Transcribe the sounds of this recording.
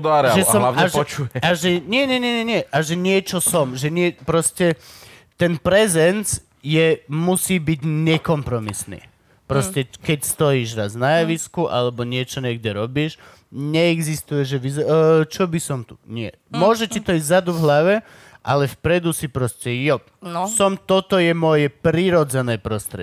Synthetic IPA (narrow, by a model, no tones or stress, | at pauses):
d̪aɾɛʒɛsɔmlaɛʒɔt͡ʃujɛaʒɛɲɪɛɲɛɲɛɲɛɲɪɛʔaʒɛɲɪɛt͡ʃɔsɔmʒɛɲɪɛpɾɔscɛ | t̪ɛnpɾɛzɛnt͡s | jɛmusiːbiɟɲɛkɔmpɾɔmisnḭː | pɾɔscɛkɛcst̪ɔjiːʒɾaznajaʋiskuʔa̰lɛbɔɲɪɛt͡ʃɔɲɛɡdɛɾɔbiːʃ | ɲɛɛɡzist̪ujɛʒɛʋizt͡ʃɔbisɔmt̪uɲɪɛ̰ | mʊɔʒɛtit̪ɔizzad̪uvɦlaʋɛ | ʔa̰lɛfpɾɛd̪usipɾɔscɛjɔ | sɔmt̪ɔt̪ɔjɛmɔjɛpɾiɾɔd͡zɛnɛːpɾɔst̪ɾɛ̰